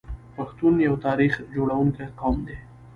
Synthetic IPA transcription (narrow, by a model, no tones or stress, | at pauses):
paxt̪unjawt̪ɑɾixd͡ʒoɽawuŋkaqɑmd̪e